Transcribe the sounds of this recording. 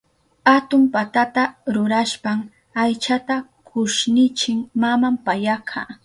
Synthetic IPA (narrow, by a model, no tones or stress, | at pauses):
at̪ʊmpat̪at̪aɾʊɾaʃpam | ajt͡ʃat̪a | kʰʊʃnɪt͡ʃɪŋmamampajakʰaː